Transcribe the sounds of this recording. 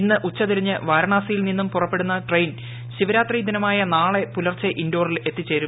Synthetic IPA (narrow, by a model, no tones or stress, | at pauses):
inːɨʔut͡ɕːɐt̪iɾiɲːɨʋaːɾɐɳaːsɐjilninːumpurɐpːe̞ɽunːɐʈrejn | ɕiʋɐɾaːt̪riːd̪inɐmaːjɐnaːɭe̞pulɐrt͡ɕːɐʔindo̞ːrile̞t̪ːit͡ɕːe̞ːɾum